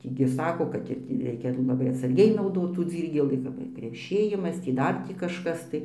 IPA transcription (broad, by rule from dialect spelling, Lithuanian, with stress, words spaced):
ˈtʲiː ɡʲɪ ˈsɑːkoː kɐt ɪr tʲiː ˈrʲɛɪkʲɛ lˠɐˈbɐɪ ɐtsɐrʲˈɡʲɛɪ nɐʊˈdoːt tuː ˈd͡zʲiːrʲɡʲeːlʲiː kɐp ɪr krʲɛˈʃʲeːjɪmɐs tʲiː ˈdɐr tʲiː kɐʃˈkɐs tɐɪ